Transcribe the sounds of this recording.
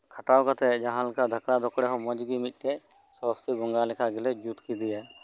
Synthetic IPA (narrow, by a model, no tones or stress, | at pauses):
kʰaʈawkat̪ɛd͡ʒaɦãlkad̪ʱəkɽad̪ɔkɽɛɦɔ̃mɔd͡ʒɡimit̪̚ˀʈɛ | sɔst̪ʰiɡɔŋɡalɛkʰaɡɛlɛd͡ʒut̪kid̪ija